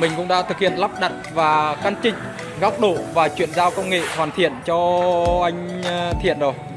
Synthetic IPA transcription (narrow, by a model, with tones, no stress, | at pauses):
mï˨˩ŋ̟kʊ̰˧˥ŋ͡mɗa̰ː˧˥t̪ɨ˨˩k̚hḭ˧˨ənla˦˥p̚ɗa˨˩t̚vaː˨˩ka˧nt͡ɕï˧˨˩ŋ̟ | ɣa˦˥wk͡p̚ɗo̰˧˨vaː˨˩t͡ɕwḭ˧˨ənzaː˧wkə˧wŋ͡mŋḛ˧˨thwaː˨˩nt̪ʰḭ˧˨ənt͡ɕɔ˧ʔa˧jŋ̟t̪ʰḭ˧˨ənzo˨˩j